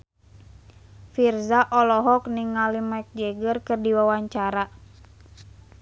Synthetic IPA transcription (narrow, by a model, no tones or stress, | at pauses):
firzaʔɔlɔɦɔkniŋːalimaɛk̚d͡ʒɛɡərkɨrdiwawaɲt͡ʃaɾa